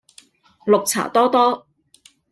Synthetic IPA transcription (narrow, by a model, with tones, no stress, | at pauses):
lʊ˨k̚t͡sʰa̰ː˨˩t̪ɔː˥t̪ɔː˥